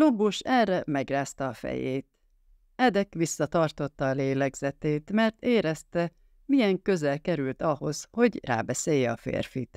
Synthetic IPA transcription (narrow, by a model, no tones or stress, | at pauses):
lobuʃɛrɛmɛɡraːst̪ɒːfɛ̰jeːt̪ | ɛd̪ɛkʋisːɒt̪ɒrt̪o̞t̪ːɒːleːlɛɡz̥ɛt̪eːt̪mɛrt̪eːɾɛst̪ɛ | mijɛŋkø̞zɛlkɛɾylt̪ɒho̞zho̞ɟra̰ːbɛseːjːɛɒfḛːrfit̪